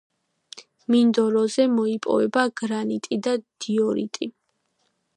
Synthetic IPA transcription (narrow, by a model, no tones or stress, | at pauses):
mind̪ɔɾɔzɛmɔipʼɔ̰vɛbaɡ̥ɾanit̪ʼid̪ad̪̥iɔɾḭt̪ʼi